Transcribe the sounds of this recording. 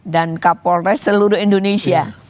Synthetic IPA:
dankapɔlɾɛsəluɾʊhindonesia

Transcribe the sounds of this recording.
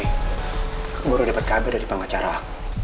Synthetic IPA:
kbuɾudapat̪̚kabɛdaɾipəŋat͡ʃaɾak

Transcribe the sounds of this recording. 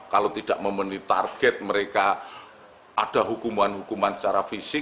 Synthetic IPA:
kalowt̪id̥aʔməmənit̪a̰rɡ̥ɛt̪̚məɾeka | ʔad̥aɦukumanɦukumansə̥t͡ʃaɾafisɪ

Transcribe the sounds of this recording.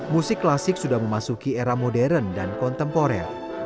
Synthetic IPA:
musɪkːlasɪk̚sudahməmasukieɾamodɛɾəndankɔnt̪ɛmpoɾɛ̰r

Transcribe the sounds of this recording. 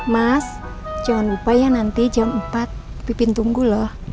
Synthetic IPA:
mas | d͡ʒaɔnbupajanant̪id͡ʒanmpat̪̚ | pipint̪uŋɡulɔh

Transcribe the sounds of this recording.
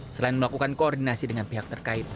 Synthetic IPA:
səlaɪnməlakukankoɔrdinasidəŋanpiɦak̚t̪ərkaɪt̪̚

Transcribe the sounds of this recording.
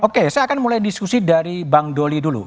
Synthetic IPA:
ʔokesajakanmulajdiskusidaɾibaŋdolidulṵ

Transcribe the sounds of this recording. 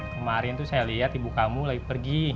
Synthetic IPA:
kəmaɾɪnt̪usajaliɦat̪ibukamulaɡipərɡi

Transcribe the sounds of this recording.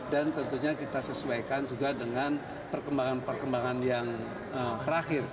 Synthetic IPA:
dant̪ənt̪uɲakit̪asəsuajkand͡ʒuɡadəŋan | pərkəmbaŋanpərkəmbaŋanjaŋ | ət̪əɾaxɪr

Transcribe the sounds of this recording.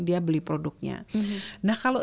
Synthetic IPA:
diabəlipɾodʊk̚ɲa̰nahkalo

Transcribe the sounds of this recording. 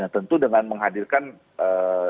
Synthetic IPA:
at̪ənt̪udəŋanməŋɦadirkan | ə

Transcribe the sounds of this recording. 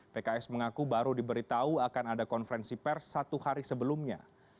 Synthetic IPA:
pekaɛsməŋakubaɾudibəɾit̪auakanadakɔnfəɾɛnsipɛrsːat̪uhaɾisəbəlumɲa̰

